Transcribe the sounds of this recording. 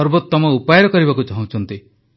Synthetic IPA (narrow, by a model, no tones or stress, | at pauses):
ɔɾbot̪ːɔmɔupajɔɾɔkɔɾibakut͡ʃaɦũt͡ʃʰɔnt̪i